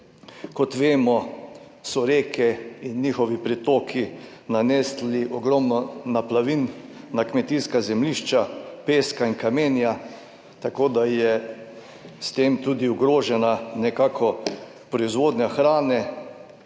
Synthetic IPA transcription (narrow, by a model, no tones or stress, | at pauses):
kɔt̪ʋeːmɔ | sɔɾeːkʰɛinːiːxɔʋipɾit̪oːkʰi | nanɛːsliʔɔɡɾɔmnɔnaplaʋinːakmɛt̪iːskazɛmliʃt͡ʃapeːskainkameːnja | t̪akoːd̪ajɛ | st̪eːmt̪uːd̪iuɡɾoːʒɛnanɛkaːkʰɔ | pɾɔizʋoːd̪ɲaxɾaːnɛ